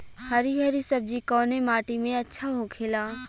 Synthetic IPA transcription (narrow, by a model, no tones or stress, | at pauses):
hɐɾiɡʱɛɾisɐb̚d͡ʒikɔːnemaːʈimẽɐtːʃʰaɦokʰeːlaː